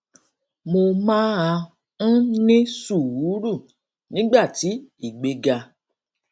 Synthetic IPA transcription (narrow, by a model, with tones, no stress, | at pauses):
mo˧mã˦a˧ | ñ̩˦nĩ˦su˦˨wu˨˦ɾu˦˨ | nĩ˨˦ɡ͡ba˦˨ti˨˦i˦˨ɡ͡be˧ɡa˧